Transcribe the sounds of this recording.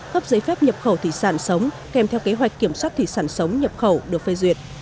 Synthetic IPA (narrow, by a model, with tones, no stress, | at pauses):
ɣə˦˥p̚zəː˨˦jfɛ˦˥p̚ɲə˨˩p̚xə˧˩wt̪ʰḭ˧˩˨saː˧˩nsə˨˦wŋ͡m | kɛ˨˧˩mt̪ʰɛ˧wke˨˦ɦwa˨˩jk̟kːi˧˩əmswa˦˥t̚t̪ʰi˧˨saː˧˩nsə˨˦wŋ͡mɲə˨˩p̚xə˧˩wɗɨ˨˩ək̚fə˧jzwḭ˨˩ət̚